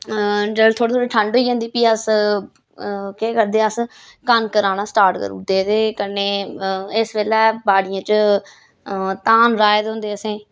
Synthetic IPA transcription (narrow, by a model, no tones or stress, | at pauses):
d͡ʒəlt̪ʰoːɽeːt̪ʰoːɽeʈʰəɳɖɦoiːõnd̪iːpiːəs | keːkəɾd̪eːəs | kənkəɾaːnaːsʈaːɾʈkə̰ɾṵːd̪eːt̪eːkəneːɪsʋeːlɛːbaːɽijãːt͡ʃ | t̪aːnɾaːɪd̪ɦõːnd̪eːəsẽː